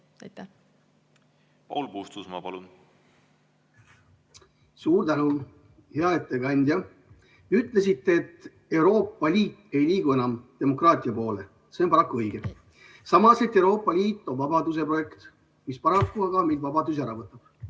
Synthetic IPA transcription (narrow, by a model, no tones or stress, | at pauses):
t̪ː | pɑ̰wlpust̪usmɑ̰pɑlun | suːɾt̪ænu | heɑet̪ːˑe̞ɡɑnʲd̪ʲjɑ | eyt̪ːˑle̞s̬it̪ːe̞ːt̪ːˑ | e̞wɾo̞ːpːˑɑlʲiːt̪ːˑe̞jliːɡue̞nɑmt̪e̞mo̞krɑːt̪ʲˑiɑpo̞ːle̞ | se̞onpɑɾɑkːˑuɤjɡ̥e̞ | sɑmɑset̪ːˑe̞wɾo̞ːpˑːɑlʲiːt̪ˑːo̞nvɑbɑd̪us̬e̞pro̞je̞kt̪ | mispɑɾɑkːuɑɡ̥ɑmilvɑbɑd̪us̬æɾɑvɤt̪ːˑɑb̥